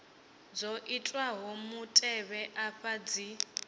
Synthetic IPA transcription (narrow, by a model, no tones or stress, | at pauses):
d͡zoʔitʼwaɦɔmutʼɛβɛʔaɸad͡zi